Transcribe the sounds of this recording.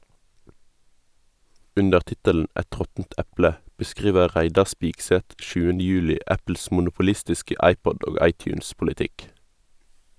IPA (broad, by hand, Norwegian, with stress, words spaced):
ˈʉndəʁ ˈtɪtəln̩ ˈɛt ˈʁɔtn̩t ˈɛplə bəˈskʁiːʋə ˈʁæɪdɑ ˈspɪɡsɛt ˈʃʉːənə ˈjʉːlɪ ˈæpl̩s mʊnʊpʊˈlɪstɪskə ˈɑɪˌpɔd ˈoː ˈɑɪˌtjʉːnspʊlɪˌtɪk